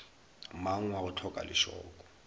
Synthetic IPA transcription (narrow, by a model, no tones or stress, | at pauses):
maŋ̩waʊtʰɔkʼa̰lɪʃɔ̰ːkʼɔ̥